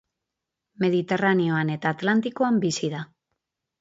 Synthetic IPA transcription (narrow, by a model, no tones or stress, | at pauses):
me̞ð̞it̪e̞ranio̞ane̞t̪aːt̪lant̪iko̞ambisiða